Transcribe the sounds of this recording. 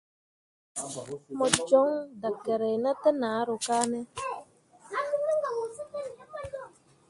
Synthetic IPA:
mɔ˨d͡ʒɔ˦ŋda˨ke˨ɾe˨na˦te˦na˨a˦ɾʊ˨ka˦ne˦ | a˦˨˦a˨wo˨˦˨

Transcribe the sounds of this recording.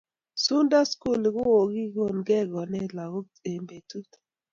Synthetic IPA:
su˦nda˦sku˦˨lɡʊ˦wo˨ɡi˦ɡo˦˨nɡɛ˦˨ɡɔ˨nɛ˦la˨ɣo˦ | e˨mbe˨tu˦t

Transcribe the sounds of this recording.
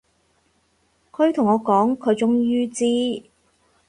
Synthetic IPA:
kʰɵ˨˧ɥt̪ʰʊ˨˩ŋɔː˨˧kɔː˨˥ŋkʰɵ˨˧ɥt͡sʊ˥ŋjyː˥t͡siː˥

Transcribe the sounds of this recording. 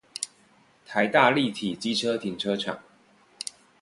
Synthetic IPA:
t̪ʰa˧˦ɪt̪a˥˧li˥˨t̪ʰi˨˩t͡ɕi˥ʈ͡ʂʰɤ˥t̪ʰi˧˥ŋʈ͡ʂʰɤ˥ʈ͡ʂʰa̰˨˩˦ŋ

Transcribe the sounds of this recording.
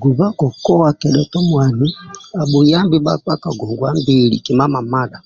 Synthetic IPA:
ɡu˨za˦kɔ˨kɔ˦wa˨kɛ˨ɗɛ˨tɔ˦mwa˨ni˦a˨ɓu˨ja˦mbi˦ɓa˦a˦ka˨ɡɔ˨ŋɡwa˦mbi˦˨lḭ˨ki˨ma˦ma˨ma˦la˨

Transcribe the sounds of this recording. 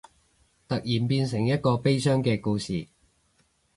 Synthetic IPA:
t̪ɐ˨k̚jiː˨˩npiː˧nsɪ˨˩ŋjɐ˥t̚kɔː˧pe˥jsœː˥ŋkɛː˧kuː˧sḭː˨˩

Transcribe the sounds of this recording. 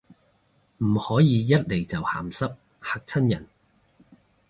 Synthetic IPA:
m̩˨˩hɔː˨˥jiː˨˧jɐ˥t̚le˨˩jt͡sɐ˨wha̰ː˨˩msɐ˥p̚ | ha˨˧k̚t͡sʰɐ˥njɐ˨˩n

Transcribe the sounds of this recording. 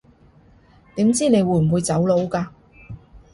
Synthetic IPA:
t̪iː˨˥mt͡siː˥ne˨˧jwu˨˧˩m̩˨wuː˨˧jt͡sɐ˨˥wlo˨˧wkaː˧

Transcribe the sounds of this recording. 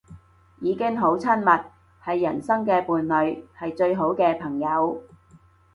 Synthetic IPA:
jiː˨˧kɪ˥ŋɦo˨˥wt͡sʰɐ˥nmɐ˨t̚ | hɐ˨jːɐ˨˩nsɐ˥ŋkɛː˧puː˨nlɵ˨˧ɥhɐ˨jt͡ʃɵ˧ɥɦo˨˥wkɛː˧pʰɐ˨˩ŋjɐ˨˧w

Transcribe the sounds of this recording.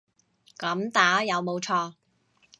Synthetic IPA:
kɐ˨˥mt̪aː˨˥jɐ˨˧wmo˨˧wt͡ʃʰɔː˧

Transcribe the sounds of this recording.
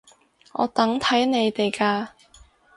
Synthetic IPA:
ŋɔ̰ː˨˧t̪ɐ˨˥ŋt̪ʰɐ˨˥jne˨˧jt̪e˨jkaː˧

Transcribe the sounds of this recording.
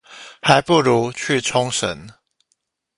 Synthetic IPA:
ha˨˦ɪpu˥˨lu˨˦t͡ɕʰy˥˨t͡sʰʊ˦ŋʂə̰˨˦n

